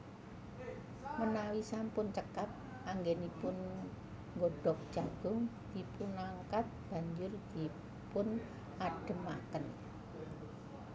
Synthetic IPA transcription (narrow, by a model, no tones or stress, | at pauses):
mənawisampʊnt͡ʃəkap̚ | aŋɡɛnipʊn | ŋɡoɖ̥ɔ̤k̚d̥ʒ̥aɡ̥ʊŋ | ipʊnaŋkat̪̚b̥a̤ɲd͡ʒʊrd̪̥i̤ | pʊn | aɖ̥ə̤ma̰kən